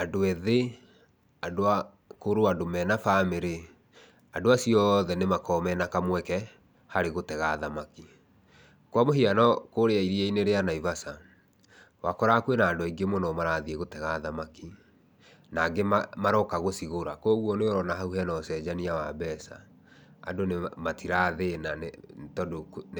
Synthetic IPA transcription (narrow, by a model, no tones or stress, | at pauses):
adoɛðe | adoa | koɾoadomɛnafameɾe | adoasiɔðɛnemakɔmɛnakamwɛkɛ | haɾeɣotɛɣaːðamaki | kwamoɦianɔkoɾeaiɾiɛineɾeanaivasa | wakɔɾakwenaːndoiŋɡemonɔmaɾaːðieɣotɛɣaːðamaki | naɡemamaɾɔkaɣosiɣoɾakoɣwɔneoɾɔnaɦauɦɛnɔsɛːd͡ʑaniawabɛsa̰ | a̰donematʰiɾaðenantɔdo